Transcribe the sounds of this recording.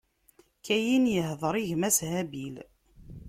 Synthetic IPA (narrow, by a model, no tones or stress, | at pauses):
kʰæjinjəɦðˤɾˤiʝmæshæbil